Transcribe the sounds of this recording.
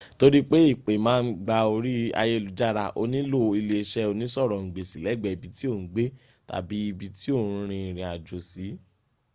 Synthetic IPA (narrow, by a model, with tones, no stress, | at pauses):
to˦ɾi˦k͡pe˦i˦˨k͡pe˨mãː˦˧n̩˦ɡ͡ba˧o˧ɾi˦a̰˧je˦˨lu˨˦d͡ʒa˦ɾa˧˨ʔo̰˧nĩ˦lo˦˧i˧le˧ʃɛ˦o˧nĩ˦sɔ˦˨ɾɔ̃˨ŋ̩˨ɡ͡be˨si˨lɛ˨˦˨ɡ͡bɛ˨i˨bi˨˦ti˦o˦˨n̩˨˦ɡ͡be˦ | ta̰˨bi˨˦i˧bi˧ti˦õ˦˨˦ɾ̃ĩ˧˨ɾ̃ĩ˧a˨d͡ʒo˨si˨˦